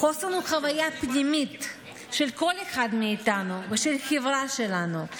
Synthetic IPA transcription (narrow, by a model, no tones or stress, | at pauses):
χosanuχavajapnimit̪ | ʃelko̞leχad̪miːt̪anuveʃelxevʁaʃelanu